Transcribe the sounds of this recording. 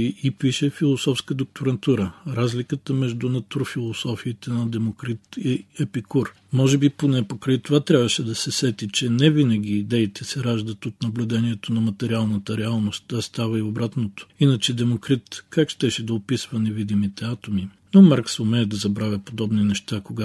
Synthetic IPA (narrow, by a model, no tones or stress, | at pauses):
iʔipiʃɛfilˠosɔfskəd̪ok̚t̪oɾɐnt̪uɾəɾazlikət̪əmɛʒd̪ʊnɐt̪uɾfilˠosɔfiːt̪ɛnɐd̪ɛmokɾit̪iɛpikuɾ | mɔʒɛbiponɛpokɾɐit̪ovat̪ɾʲabvəʃɛd̪ɐsɛsɛt̪it͡ʃɛnɛvinəɡ̟ʲiːd̪ɛit̪ʰɛsɛɾaʒd̪ət̪ot̪nɐblʲʊd̪ɛniɛt̪onɐmɐt̪ɛɾialˠnət̪əɾɛalˠnost̪ɐst̪avəiobɾat̪not̪o̥inət͡ʃɛd̪ɛmokɾit̪kakʃt̪ɛʃɛd̪ɐopisvɐnɛvid̪imit̪ɛat̪ominomaɾksomɛːd̪ɐzɐbɾavʲɐpod̪ɔbninɛʃt̪akoɡa